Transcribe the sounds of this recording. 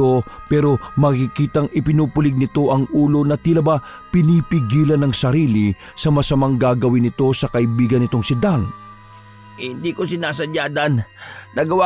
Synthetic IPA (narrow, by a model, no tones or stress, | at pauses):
o̞pɛːɾo̞mɐkɪkiːt̪ɐŋɪpɪnuːpʊlɪɡ̚nɪt̪o̞ʔɐŋʔuːlo̞nɐt̪ilɐba | pɪnipɪɡiːlɐnːɐŋsɐɾiːlɪ | sɐmɐsɐmaŋɡaːɡɐwɪnɪt̪o̞sɐkɐʔɪbiːɡɐnːɪt̪o̞ŋsɪd̪aŋ | hɪnd̪ikosɪnaːsɐd͡ʒaːd̪ɐnnɐɡɐwa